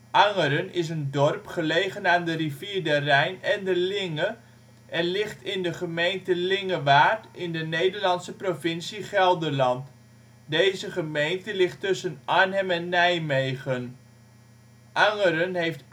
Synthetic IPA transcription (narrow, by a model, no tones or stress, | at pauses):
ʔɑŋəɾənɪs̬əndɔrpχəlejχənaːndəriviːɹdərɛjnɛndəlɪŋə | ʔɛnlɪχtɪndəχəmejntəlɪŋəʋaːtɪndənejdəɹlɑnsəprovɪnsiχɛlˠdəɹlɑnt | dejzəχəmejntəlɪχtːʏsənʔaɹnɦɛmɛnːɛjmejχən | ʔɑŋəɾənɦejft